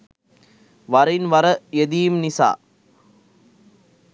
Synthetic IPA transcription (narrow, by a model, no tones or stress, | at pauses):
ʋɐɾɪnʋɐɾɐjɛðɪjɯmnɪsa̰ː